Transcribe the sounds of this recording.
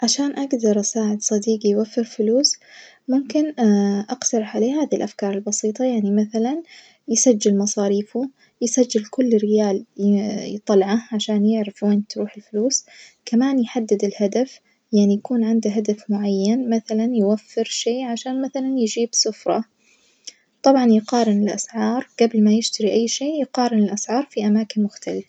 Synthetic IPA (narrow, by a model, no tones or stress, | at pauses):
ʕaʃaːnʔaɡd̪ɑɾˤʔsaːʕɪd̪sˤɑd̪iːɡijwafːɪɾfʊluːs | mʊmkɪnʔɑqt̪ɑɾˤɑħʕaleːhaːðilʔafkɑːɾˤɪlbɑsiːt̪ˤɑjaʕnimaθalan | jɪsad͡ʒːɪlmɑsˤɑːɾiːfu | jsad͡ʒːɪlkʊlːɾɪjaːljt̪ˤɑlʕaʕaʃaːnjɪʕɾɪfweːnt̪ɾuːħɪlfluːskamaːnjħad̪ːɪd̪ɪlhad̪af | jaʕnijakuːnʕɪnd̪aɦad̪afmʊʕajːanmaθalanjwafːɪɾʃeːʕaʃaːnmaθalanjɪd͡ʒiːbsʊfɾˤɑ | t̪ˤɑbʕɑnjqɑːɾɪnɪlʔa̰sʕɑːɾˤɡ̥ablmajɪʃt̪aɾiʔajːʃeːjqɑːɾɪnɪlʔasʕɑːɾˤfiʔamaːkɪnmʊxt̪alɪfa